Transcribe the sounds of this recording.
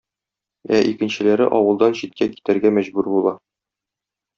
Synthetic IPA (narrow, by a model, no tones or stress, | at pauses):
æʔikɘ̆nɕɘ̆læɾɘ̰ʔɒwɤ̆lˠd̪ɑnɕit̪̚kæki̥t̪æɾɡæmæʑbʉɾbulˠɑ